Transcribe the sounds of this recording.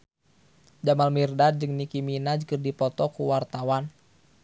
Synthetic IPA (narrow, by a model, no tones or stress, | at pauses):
d͡ʒamalmirdad͡ʒɨŋnikiminad͡ʒkɨrdipɔt̪ɔkuwart̪awan